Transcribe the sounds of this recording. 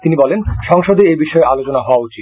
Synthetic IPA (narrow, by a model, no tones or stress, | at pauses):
t̪inibɔlenʃɔŋʃod̪eebiʃɔealot͡ɕonaɦɔoaut͡ɕit̪